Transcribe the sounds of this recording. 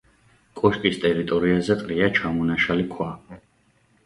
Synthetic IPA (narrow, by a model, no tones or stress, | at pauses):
kʼɔʃkʼist̪ʼɛɾit̪ʼɔɾiazɛq̪ʼɾiat͡ʃʰamɔnaʃalikʰwa